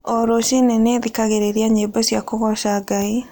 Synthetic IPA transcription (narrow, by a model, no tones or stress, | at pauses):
ɔɾoʃineneðikaɣeɾeɾiaɲebɔsjakoɣɔʃaːɡai